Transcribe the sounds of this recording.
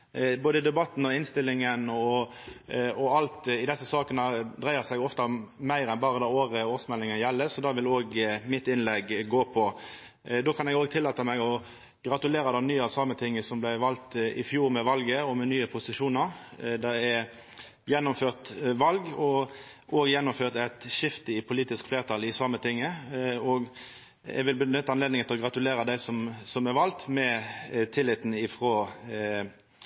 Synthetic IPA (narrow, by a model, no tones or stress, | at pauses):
boːd̪əd̪ɛbɑt̪ːn̩ɔɪnst̪ɪlːɪŋənɔ | ɔɑlt̪ɪd̪ɛsːəsɑːkənəd̪ʁæɪəsæɡɔft̪ɑmæɪɾɛnbɑːʁəd̪ɑoːʁəoːsmɛlːɪŋənjɛlːəsɔd̪ɑːʋɪloːɡmɪt̪ɪnlɛɡːoːpʰɔ | d̪oːkʰɑnɛɡoːɡt̪ʰɪlːɑːt̪əmæɡɔ | ɡ̥ʁɑt̪ʉleːɾɑd̪ɛnyːəɑsɑːmət̪ʰɪŋːəsɔmblæɪʋɑlt̪ɪ̰fjuːɾmɛʋɑlɡəɔmɛnyːəpʰʊsɪʂuːnɑʁd̪æɛ | jɛnːʊmføːʁt̪ʋɑlɡɔ | ʔoːɡəjɛnːʊmføːʁt̪æt̪ʃɪft̪əɪpʰʊliːt̪ɪskfleːʁt̪ʰɑlɪsɑmːət̪ʰɪŋːəɔɡ | ɛ̰ɡʋɪlbnʏt̪ːɑnleːd̪nɪŋət̪ʰɪlɔɡʁɑt̪ʉleːɾɑd̪æɪsɔmsɔmɛʋɑlt̪mɛt̪ʰɪlːɪt̪n̩ɪfʁoː